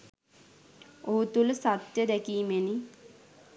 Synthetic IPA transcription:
oɦut̪uləsat̪jəd̪ɛkiːmeni

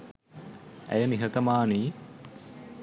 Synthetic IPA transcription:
æ̰jəniɦət̪əmaːni

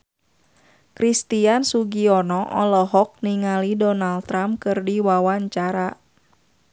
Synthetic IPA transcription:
kɾist̪iansuɡiɔnɔʔɔ̰lɔɦɔk̚niŋalidɔnaldt̪ɾamkɨrdiwawaɲt͡ʃaɾa

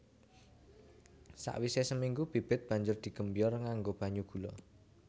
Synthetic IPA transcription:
sa̰ʔwisesəmiŋɡub̥ib̥ɪt̪̚b̥a̤ɲd͡ʒʊrd̪̥i̤ɡ̥ə̤mbijɔrŋaŋɡob̥a̤ɲuɡ̥ṳlɔ

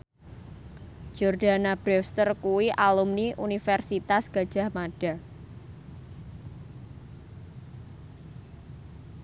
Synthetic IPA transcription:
d͡ʒ̥ɔrd̥anab̥ɾɛfst̪ərkuwiʔalumniʔunifɛrsit̪asɡ̥a̤̥ʒ̥a̤hmaɖ̥a̤

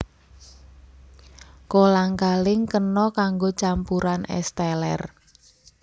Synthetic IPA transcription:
kolaŋkalɪŋkənɔkaŋɡot͡ʃampuɾanɛ̰st̪ɛlɛ̰r

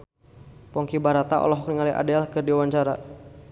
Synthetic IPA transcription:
pɔŋkibaɾat̪aʔɔ̰lɔɦɔk̚niŋaliʔa̰dɛlkɨrdiwaɲt͡ʃaɾa

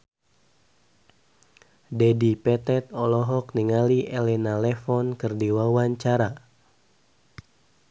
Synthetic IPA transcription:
dɛdipɛt̪ɛt̪̚ɔlɔɦɔkniŋaliʔelɛnalɛfɔnkɨrdiwawaɲt͡ʃaɾa

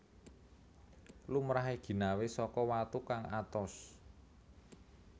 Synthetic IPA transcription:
lumɾaɦeɡ̥i̤nawesɔkɔwat̪ukaŋat̪ɔs

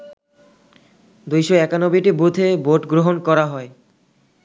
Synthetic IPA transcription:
d̪ujʃoɛkanobiʈibud̪ʰʱeboʈɡɾoɦonkɔɾaɦɔe

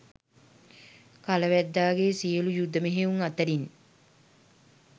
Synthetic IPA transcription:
kaləʋæd̪ːaːɡesijəlujud̪ːəmeɦeuŋat̪əɾin

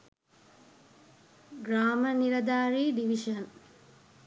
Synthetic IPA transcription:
ɡraːməniɾɐd̪aːɾiːɖiʋiʃən

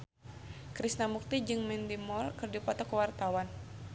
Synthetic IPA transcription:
kɾisnamuk̚t̪id͡ʒɨŋmɛndimɔrkɨrdipɔt̪ɔkəwart̪awan

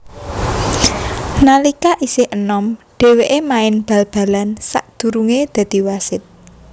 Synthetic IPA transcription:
nalikaʔisɪhənɔmɖ̥e̤weʔemaɪnb̥a̤lb̥a̤lansa̰ʔd̪̥ṳɾuŋed̪̥ä̤d̪̥i̤wasɪt̪̚

